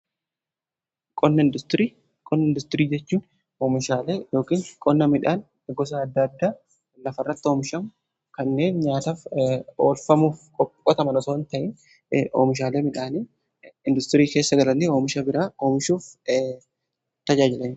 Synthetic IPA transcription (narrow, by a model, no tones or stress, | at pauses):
kʼɔnːɐɪnd̪ʊst̪ɾiː | kʼɔnːɐɪnd̪ʊst̪ɪɾiːd͡ʒɛt͡ʃːuːn | oːmɪʃaːleːjo̞ːkiːnkʼɔnːɐmɪᶑaːn | ɡɔs̬ɐːd̪ːɐːd̪ːaː | lɐfɐrːɐt̪ːɪoːmɪʃɐmʊ | kɐnːe̞ːnɲaːt̪aːfo̰ːlfɐmuːfkʼɔkʼkʼːɔt̪ɐmɐnɔsoːnt̪ɐʔɪn | oːmɪʃ̬aːleːmɪᶑaːniː | ɪnd̪ʊst̪ɪɾiːke̞ːsːɐɡɐlɐnioːmɪʃɐbɪɾaːoːmɪʃuːf | t̪ɐd͡ʒaːd͡ʒɪlɐnɪ